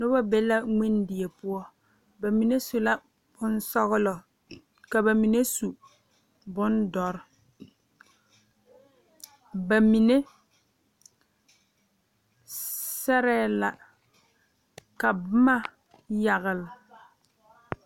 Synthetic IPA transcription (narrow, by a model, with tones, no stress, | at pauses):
nʊ˦ba˦bɛ˦la˦ŋi˦ndɪ˨e˨pʊ˦ɔ˦ | ba˨mi˨ne˦su˨la˦ | b̥ʊ˦n˦sɔ˦ɣʊ˦lɔ˨ | ka˨ba˨mi˨ne˦su˨ | bʊ˦ndɔ˨ɾ | ba˨mi˨ne˦ | sɛ˦ɾɛː˦˨la˨ | ka˨bma˦ | ja˨ɣɪ˨l